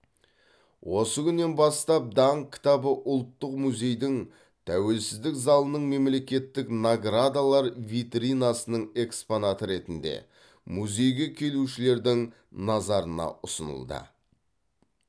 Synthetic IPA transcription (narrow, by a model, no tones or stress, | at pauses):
wʔo̞səɡʲʏnːe̞nbɑst̪ɑp̚d̪ɑŋkʲʰɪ̥t̪ɑbəʔʊlˠt̪ːəqmuzʲe̞jd̪ɪŋ | t̪ʰæwe̞lsɪzd̪ɪkzɑlˠənəɴme̞mle̞kʲe̞t̪ːɪknaɡɾad̪alˠɑɾvit̪ɾinasənəɴe̞ksponat̪əɾe̞t̪ɪnd̪e̞̰ | muzʲe̞jɡʲe̞kʲʰe̞luʃɪle̞ɾd̪ɪŋ | nɑzɑɾənɑ̰ʔʊsə̰nə̰lˠd̪ə̰